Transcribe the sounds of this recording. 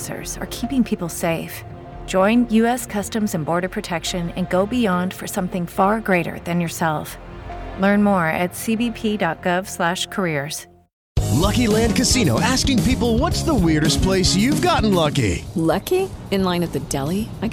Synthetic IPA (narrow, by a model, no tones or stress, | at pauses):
sə̰˞z̥ə̰˞kʰipɪ̃ŋpʰipl̩ˠseɪf | d̥ʒ̥ɔ̃ɪ̃njʉɛskʰʌstɨ̃mzɨ̃nbɔɹɾə˞pʰɹ̥ɨtʰɛkʃɨ̃nɨ̰̃nɡoʊbiɑ̃nd̥fə˞sʌ̃mθɪ̃ŋfɑɹɡɹeɪɾə̰˞ðɨ̃njə˞sɛlˠflɜ̃˞nmɔɹɨ̰tsibipʰidɑt̚ɡ̥ʌv̥slæʃkʰə˞ɪɹz̥ | lʌkilæ̃nd̚kɨsĩñoʊʔæskɪ̃ŋpipl̩ˠwʌtsðəwɪɹɾɨs̚pʰl̥eɪsjʉvɡɑʔn̩lʌkḭlʌkiɨ̃nlãɪ̃nɨt̪̚ðɨdɛlˠiaɪ